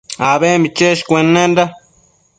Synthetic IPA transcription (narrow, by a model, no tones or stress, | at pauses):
aβemit͡ʃeʃkʷenːend̪a